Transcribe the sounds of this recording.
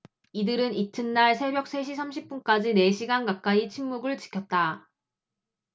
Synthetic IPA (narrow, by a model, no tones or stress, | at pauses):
idɯɾɯnitʰɯnːaɭsʰe̞bjʌk̚s͈ʰe̞ɕ̬ʰisʰamɕʰip̚p͈unk͈ad͡ʑine̞ɕʰiɡankak̚k͈ait͡ɕʰimːuɡɯɭt͡ɕi̥kʰjʌt̚t͈a